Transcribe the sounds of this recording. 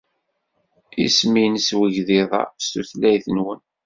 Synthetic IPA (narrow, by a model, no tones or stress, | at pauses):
ḭsminəswəʝðɪðˤɑ̰st̪uθlæjθənwən